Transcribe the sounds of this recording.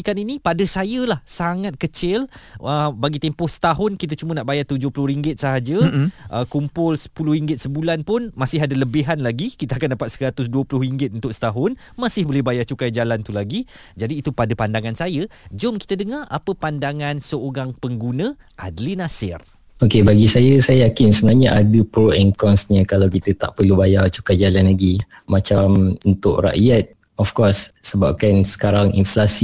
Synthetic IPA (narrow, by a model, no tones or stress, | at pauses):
ikaninĩpadəsajəlahsaŋat̪̚kət͡ʃɪləbaɡit̪ɛmpʊhsə̥t̪aɦʊnkit̪ət͡ʃumənaʔbajart̪ud͡ʒʊhpulʊhɾiŋɡɪt̪̚səɦad͡ʒəʔəkumpʊlsə̥pulʊhiŋɡɪt̪̚səbulanpʊnmãsɪɦadaləbiɦanlaɡikit̪əakandapat̪̚səɾat̪ʊsduəpulʊhriŋɡɪt̪̚unt̪ʊk̚sə̥t̪aɦʊn | mãsɪhbolɛhbajat͡ʃukajd͡ʒalant̪ulaɡi | d͡ʒadiːt̪upadapandaŋansajəd͡ʒɔmki̥t̪ədəŋarʔapəpandaŋãnsəoɾaŋpəŋɡunə̃ | ʔadlinasɪr | okebaɡisajəsajəjakɪnsəbənaɲaʔadəpəɛŋkɔnsɲə̃kalawkit̪ət̪a̰ʔpərlubajat͡ʃukajd͡ʒalanlaɡi | mãt͡ʃamunt̪ʊʔɾa̰ʔiat̪̚ | ɔfkɔsːəba̰p̚kansə̥kaɾaŋḭnflasi